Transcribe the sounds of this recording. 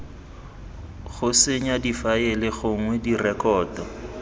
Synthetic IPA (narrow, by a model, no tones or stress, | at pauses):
ɣʊsɪɲadifaɛlɪɣʊŋ̩ŋwedirɛkɔːdɔ